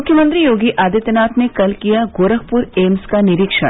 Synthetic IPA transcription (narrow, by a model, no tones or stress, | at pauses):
mʊkʰjəmə̃nt̪ɾijoːɡiʔaːd̪it̪naːt̪nekɐlkijaɡoːɾəkpuɾeːmskanɪɾikʃə̰